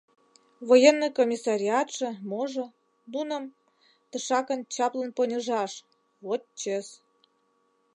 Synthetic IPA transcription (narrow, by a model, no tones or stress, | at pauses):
βojenːɨjkomʲisɑɾʲiɑt̪ʃɤ̆moʒɤ̆ | d̪unə̆m | t̪ə̆ʃɑkə̆nt͡ɕɑplə̆nponʲəʒɑʃ | βot̪̚t͡ɕes